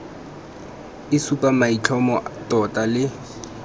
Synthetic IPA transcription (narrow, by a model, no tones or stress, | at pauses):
ɪsupʼamait͡ɬʰɔmɔtʼɔtʼalɪ